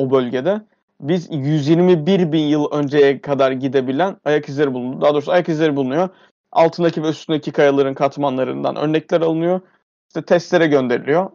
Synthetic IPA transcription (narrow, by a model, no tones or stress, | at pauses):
obø̞lʲɟed̪ɛ | bizjyzjiɾmibiɾbinjɯlˠø̞nd͡ʒejɛkʰad̪aɾɟid̪e̞bilʲænajakizlʲeɾibulˠund̪ud̪aːd̪oɾsajakizlʲɛɾibulˠunujo | a̰lˠt̪ʰɯnd̪acʰivɛyst̪ʰynd̪ecʰikʰajalˠaɾɯnkʰat̪manlˠaɾɯnd̪a̰nʔø̰ɾnɛclʲæɾalˠɯnɯjo̞ | i̥ʃt̪ʰɛt̪ʰɛst̪lʲe̞ɾɛɟø̞nd̪e̞ɾilʲijo